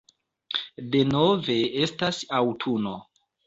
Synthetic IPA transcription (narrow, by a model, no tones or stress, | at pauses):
de̞no̞ve̞e̞stasawtʰuno̞